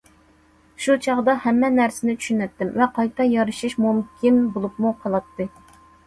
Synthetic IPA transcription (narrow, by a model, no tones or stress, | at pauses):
ʃut͡ʃʰɑʁd̪ɑhɛmːɛnæɾsɪnɪt͡ʃʰy̥ʃynɛt̪ːɪmvɛqʰɑjt̪ʰɑjɑɾɨʃiʃmumkʲʰinbolˠupmuqʰɑlˠɑt̪ʰːɨ